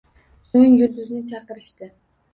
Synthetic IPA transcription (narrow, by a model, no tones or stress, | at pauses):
soŋjʊɾd̪ʊznɪt͡ʃʰɑqɨɾɪʃt̪ɪ